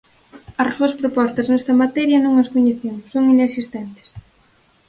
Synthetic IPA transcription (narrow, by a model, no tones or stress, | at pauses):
ɐrsuɐspɾopɔst̪ɐznɛst̪ɐmat̪ɛɾjɐnõŋɐskoɲeθewsoŋinesist̪ɛnt̪ɪ̥s